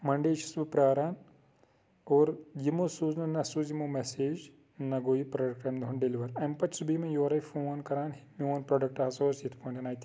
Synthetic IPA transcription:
mɐɳɖeːʃi̥sbipɾaːɾaːn | oːɾjimosuːznɐnːɐsuːzimomɛseːd͡ʒ | nɐɡoːipɾɐɖɐk̚ʈɐmd̪ʱɦunɖeliʋɐɾɐmpɐt͡ʃsubimẽjoːɾɐjfonkɐɾaːnɦimioːnpɾɐɖɐk̚ʈɐɐsoːsit̪ʰpʰõːɳʈɐnaːjt̪

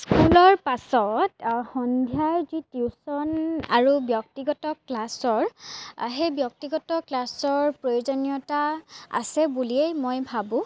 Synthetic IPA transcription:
skulɔɹpasɔtxɔndʱjajzitusɔna̰ɹubjɔk̚tiɡɔtɔklasɔɹɦejbjɔk̚tiɡɔtɔklasɔɹpɹojozɔnijɔtaa̰sɛbuliɛjmojbʱabʊ̃

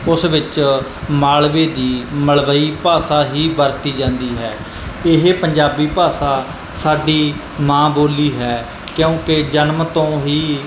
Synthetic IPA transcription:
ʊsʋɪt͡ʃ | maːlʋeːd̪iːməlʋəiːpaːsaːɦiːbəɾt̪iːd͡ʒãːnd̪iːɦɛː | ɪɦepəɲd͡ʒaːbiːpaːsaː | saːɖiː | mãːboːliːɦɛː | kjõːked͡ʒənmt̪õːɦiː

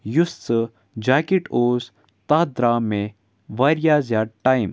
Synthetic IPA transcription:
jusɨ | d͡ʒaːkeʈoːz | t̪ad̪ɾaːmẽ | ʋɐɾijaːzjaːʈaːim

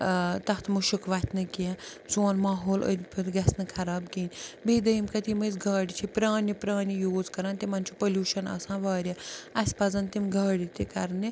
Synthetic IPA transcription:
t̪ɐht̪ʰmuʃukʋat̪ʰʲnɨkiãt͡soːnmaːɦoːlʔə̰d̪ʲipʰɨt̪ɡɐsnɨkʰɐɾaːbkiːnʲbeːd̪ɐjimkɐt̪imɐzɡaːɽʲit͡ʃʰipɾaːnʲipɾaːnʲijoːd͡zkɐɾãːnt̪imɐnʲt͡ʃʰupɐlʲuːʃɐnɐ̰ːsãːʋaːɾʲjaɐsʲpɐzɐnt̪imɡɐːɽʲit̪ikɐɾni

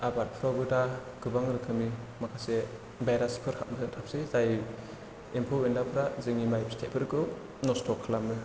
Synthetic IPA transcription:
abat̚pʰɾabɯta | ɡ̥ɯbaŋɾɯkʰɯmimakʰase | bajɾaspʰɯɾhʰa̰t̚mɯtʰap̚sezaj | impʰuwendapʰɯɾazɯŋimajpistʰet̚pʰɯɾkɯ | nɔstʰɔkʰːlamɯ

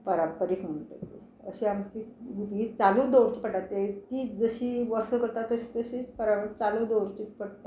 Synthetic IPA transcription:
pəɾəmpəɾiːfuɳʈə̰t̪i | ə̰ɕiamt̪iːʋibɡiːt͡salud̪owɾt͡ɕipəʈat̪ːet̪iːd͡zəɕiːʋəɾsəkəɾt̪at̪əɕiːt̪əɕipəɾaməɾt͡salud̪owɾt͡ɕitpəɽt̪a

